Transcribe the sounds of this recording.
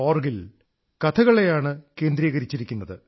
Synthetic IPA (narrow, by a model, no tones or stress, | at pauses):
oːrɡil | kɐt̪ʰɐɣɐɭe̞jaːɳɨke̞ːnd̪ɾiːɣɐɾit͡ɕːiɾikʲːunːɐðɨ